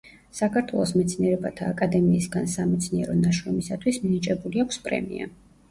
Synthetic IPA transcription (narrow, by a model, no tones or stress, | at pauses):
sakʰaɾt̪ʰwɛlˠɔsmɛt̪sʰniɛɾɛbat̪ʰaːkʼad̪ɛmiːsɡansamɛt̪sʰniɛɾɔnaʃɾɔmisat̪ʰwisminit͡ʃʼɛbuliakʷʰspʼɾɛ̰mḭa̰